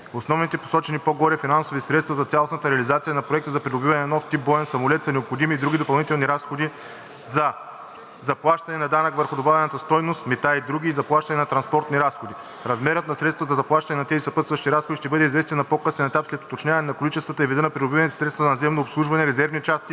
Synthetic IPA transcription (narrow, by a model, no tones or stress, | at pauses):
osnɔvnit̪ɛpo̥sɔt͡ʃɛnipoɡɔɾɛfinansovisɾɛt̪st̪vɐzɐt̪sʲalˠosnɐt̪əɾɛɐlizat̪sijənɐpɾoɛk̚t̪əzɐpɾid̪obivɐnɛnɔft̪ip̚bɔɛnsɐmolɛt̪sɐnɛopxod̪imiːd̪ɾuɡʲid̪opɐlˠnit̪ɛlˠniɾasxod̪i | zɐ | zɐplˠaʃt̪ɐnɛnɐd̪anɐkvəɾxʊd̪obavʲɛnɐt̪əst̪ɔjnost̪mɛt̪aid̪ɾuɡiːzɐplˠaʃt̪ɐnɛnɐt̪ɾɐnspɔɾt̪niɾasxod̪i | ɾɐzmɛɾət̪nɐsɾɛt̪st̪vɐəzɐzɐplˠaʃt̪ɐnɛnɐt̪ɛzisɐpɤt̪svɐʃt̪iɾasxod̪iʃt̪ɛbɤd̪ɛizvɛst̪vɛnɐpokɤsnɛnɛt̪apslɛt̪o̥t̪ot͡ʃɲʲavɐnɛnɐkolit͡ʃɛst̪vət̪əɛvid̪ɤnɐpɾid̪obivɐnɛt̪ɛ̥sɾɛt̪t̪vɐzɐnɐzɛmnoːpslˠuʒvɐnɛɾɛzɛɾvnit͡ʃast̪i